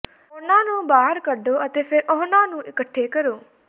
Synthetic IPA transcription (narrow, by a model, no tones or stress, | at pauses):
ʊnãːnũːbaːɦəɾkəɖoːət̪eːpʰɪɾʔʊɦnãːnũːʔɪkəʈʰːeːkəɾoː